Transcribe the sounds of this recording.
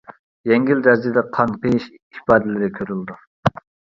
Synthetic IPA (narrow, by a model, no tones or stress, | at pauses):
jɛŋɡʲild̪ɛɾzɪd̪ɛqʰɑnqəjiʃ | hipɑːd̪ɪlɪɾɪkʲʰøɾylˠd̪u